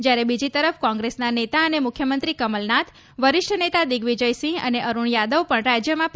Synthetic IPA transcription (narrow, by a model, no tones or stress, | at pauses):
d͡ʒjaɾebid͡ʒit̪əɾəfkɔ̃ŋɡɾesnanet̪aənemʊkʰjəmənt̪ɾikəməlnat̪ʰ | ʋəɾɪʃʈʰənet̪ad̪iɡʋid͡ʒəjsĩə̰neʔəɾuɳjad̪əʋpəɳɾad͡ʒjəmãp